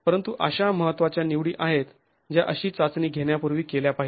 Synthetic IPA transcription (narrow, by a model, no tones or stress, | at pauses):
pəɾənt̪uʔəɕaməɦət̪ːʋat͡ɕjaniʋɽiːʔaɦet̪ | d͡ʑjaʔəɕiːt͡sat͡sniːɡʱeɳjapuɾʋiːkeljapaɦi